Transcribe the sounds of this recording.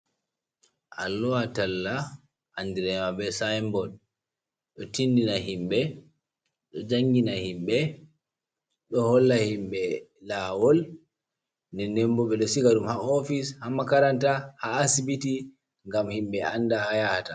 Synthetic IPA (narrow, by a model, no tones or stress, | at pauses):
ʔalːɔatalːa | ʔːndiɾɛmabɛsajmbɔɗ | ɗɔtindinaɦimɓɛ | ɗɔd͡ʒaŋɡinahimɓɛ | ɗɔhɔlːahimɓɛ | lawɔl | ndɛnɛmbɔɓɛɗɔsiɡaɗumhaɔfishamakaɾantahaːsibiti | ŋɡamhimɓɛandahajahata